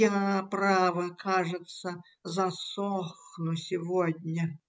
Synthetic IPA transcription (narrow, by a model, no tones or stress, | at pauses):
apravəkʰaʐɨt̪sə | zɐsoxnʊsʲɪvod̪ʲnʲə